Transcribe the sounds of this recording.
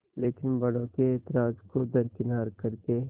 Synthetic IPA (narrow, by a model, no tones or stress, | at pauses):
leːkɪnbɐɽõket̪ɾaːd͡ʒkod̪ɐɾkɪnaːɾkɐɾke